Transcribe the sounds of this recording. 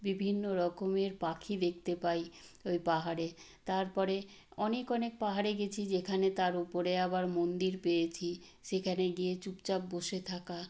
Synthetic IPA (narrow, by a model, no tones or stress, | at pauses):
bibʱinːoɾɔkomeɾpakʰid̪ek̚ʰt̪epaj | ojpaɦaɾe | t̪aɾpɔɾe | ɔnekɔnek̚paɦaɾeɡet͡ɕʰid͡ʑekʰanet̪aɾupoɾeabaɾmond̪iɾpejet͡ɕʰi | ʃekʰaneɡiet͡ɕupt͡ɕabːoʃet̪ʰaka